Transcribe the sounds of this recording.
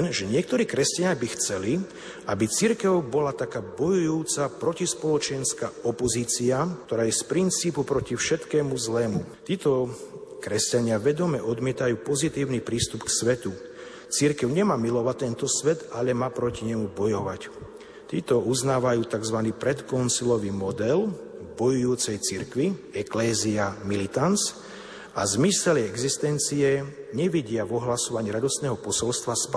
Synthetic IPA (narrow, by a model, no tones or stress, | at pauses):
nʒɛɲɪɛk̚t̪ɔɾiːkɾɛscaɲɪabixt͡sɛli | ʔabit͡siɾkɛʊbɔlat̪akaːbɔjujuːt͡sapɾɔcispɔlɔt͡ʃɛnskaɔpɔziːt͡siakt̪ɔɾaːjɛspɾint͡siːpupɾɔcifʃɛt̪kɛːmuzlɛːmut̪iːt̪ɔkɾɛscaɲɪaʋɛd̪ɔmɛʔɔd̪mɪɛt̪ajuːpɔzit̪iːʊnipɾiːst̪upksʋɛt̪u | t͡siɾkɛʊɲɛmaːmilɔʋat̪ːɛnt̪ɔsʋɛt̪aʎɛmaːpɾɔciɲɛmubɔjɔʋac | t̪iːt̪ɔuznaːʋajuːt̪aɡzʋaniːpɾɛt̪kɔnsilɔʋimɔd̪ɛlbɔjujuːt͡sɛjt͡siɾkʋiɛklɛːziamilit̪ans | azmisɛlɛɡzist̪ɛnt͡siɛɲɛʋiɟɪaʋɔɦlasɔʋaɲiːɾad̪ɔst̪nɛːɦɔpɔsɔlst̪ʋasp